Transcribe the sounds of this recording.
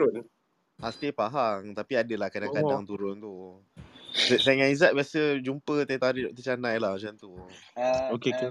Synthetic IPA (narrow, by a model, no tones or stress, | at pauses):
ʊn | ast̪epaɦaŋt̪apiadəlahkadaŋkadaŋt̪uɾʊnt̪u | səsaŋãizat̪̚biasəd͡ʒumpət̪ət̪aɾiʔt̪ət͡ʃanãjlahmat͡ʃant̪u | okeku